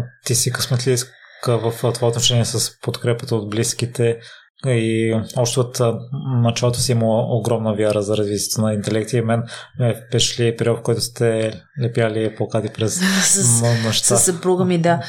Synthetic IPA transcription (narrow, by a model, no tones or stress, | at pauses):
t̪isikəsmɛt̪liskvəft̪ovaot̪noʃɛniɛsəspot̪kɾɛpət̪əod̪̚blisk̟it̪ɛ | iɔpʃt̪oot̪nɐt͡ʃalˠot̪osiiməlˠəoɡɾɔmnəvʲjaɾəzɐɾɐzvit̪ʲjɛ̥t̪onɐint̪ɛlɛk̚t̪imɛnmɛpɛʃlipɛɾɔfkɔjt̪ʊ̥st̪ɛ | lɛpjaliplˠɐkat̪ipɾɛsonɛʃt̪asɐpɾuɡəmid̪a